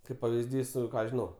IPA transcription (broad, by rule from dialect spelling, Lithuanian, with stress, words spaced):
ˈkɐɪp pɐʋʲɪzʲˈdʲiːs ˈkɑː ʒʲɪˈnɐʊ